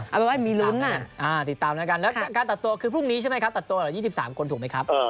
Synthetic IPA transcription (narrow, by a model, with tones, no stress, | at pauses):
ʔa˧˩bɛ˨˩wa˧˥˩jmiː˧lu˦˥nːa˧˩ʔaː˧t̪i˨˩t̪ːaː˧mlɛː˦˥ka˧nlɛː˦˥wkaː˧nt̪a˨˩t̪ːu˧ɐkʰɯː˧pʰu˥˩ŋniː˦˥t͡ɕʰa˥˩m˦˥jkʰa˦˥p̪̚a˨˩t̪ːu˧˨˩jiː˥˩si˨˩saː˩˦mkʰo˧nt̪̚ʰːma˦jkʰa˦˥p̚ʔəː˧